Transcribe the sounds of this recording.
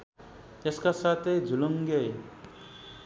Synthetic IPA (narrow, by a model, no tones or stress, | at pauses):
eskasat̪ʰejd͡zʱuluŋɡej